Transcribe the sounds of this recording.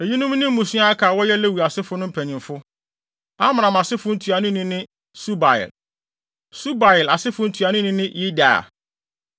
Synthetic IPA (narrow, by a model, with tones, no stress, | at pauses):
e˨ji˦nʊ̃˦m˦nĩ˦m˦mũ˨sũ˦a˦a˦kʰaː˨wɔ˦jɛ˦le˦˨wu˨a˨sɪ˦fʊ˦nʊ̃˦m̩˦pʰæ˨ɲĩ˨mfʊ˦ | a˦mã˨ã˨m˨a˨sɪ˦fʊ˦n̩˦tʰu˨a˨nʊ̃˦nĩ˦nɪ̃˦ | su˦ba˨jɪ̰˨l | su˦ba˨jɪ˨la˨sɪ˦fʊ˦n̩˦tʰu˨a˨nʊ̃˦nɪ̃˦nɪ̃˦ji˦da̰˨a̰˨